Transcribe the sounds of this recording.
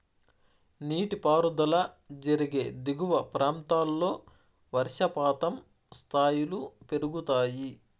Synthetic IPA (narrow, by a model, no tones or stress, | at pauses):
niːʈipaːɾud̪ɐlɐ | d͡ʒɐɾiɡe̞ːd̪iɡuʋɐpɾaːnt̪aːlːo̞ː | ʋɐɾʂɐpaːt̪ɐm | st̪ʰaːjilupe̞ɾuɡut̪aːji